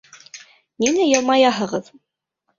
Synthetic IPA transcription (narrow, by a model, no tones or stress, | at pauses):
ninæjɤ̆lˠmɑjɑɦɤ̆ʁɤð